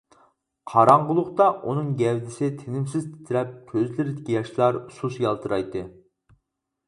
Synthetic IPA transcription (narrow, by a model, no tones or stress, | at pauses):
qʰɑɾɑɴʁəlˠʊχt̪ɑʔunɨŋɡʲɛwd̪ɪsɪt̪ʰenɪmsɪzt̪ʰɪ̥t̪ʰɪɾɛp̚kʲʰøzlɪɾɪd̪ɪkʲijɑʃlˠɑɾsusjɑlˠt̪ʰɨɾɑjt̪ːɨ